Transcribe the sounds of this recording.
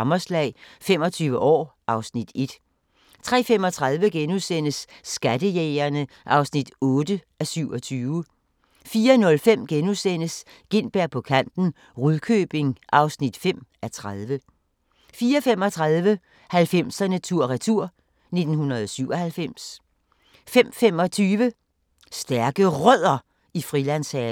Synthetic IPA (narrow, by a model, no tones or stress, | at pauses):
mɐslɛ̰ɪfem̰ɒ̽t͡sʰyːʊʋəʔɒ̰ːʔɑ̈ʊsnid̥e̝d̥ | t͡sʰʁɛ̰ːfem̰ɒ̽t͡sʰʁɑðˠʋəɡ̥enusen̰əsːɡ̥æd̥əjeːɐnəʔɑ̈ʊsnid̥ɔ̽ːd̥əʔæsyʊɒ̽t͡sʰyːʊə | fiːɐnɔ̽lfem̰ɡ̥enusen̰əs | ɡ̥e̝n̰b̥æɐ̰pʰɒ̽kʰæn̰d̥n̩ | ʁuðˠkʰøːb̥e̝ŋʔɑ̈ʊsnid̥fem̰æt͡sʰʁaðˠʋə | fiːɐfem̰ɒ̽t͡sʰʁaðˠʋə | hælfem̰sɐnət͡sʰuɐ̰ʁat͡sʰuɐ̰ | ne̝d̥n̩hunɐð̩ˠɒsyʊɒ̽hælfem̰s | fem̰femɒ̽t͡sʰyːʋə | sd̥æɐɡ̥əʁœð̰ˠɐ | ifʁilænshɛː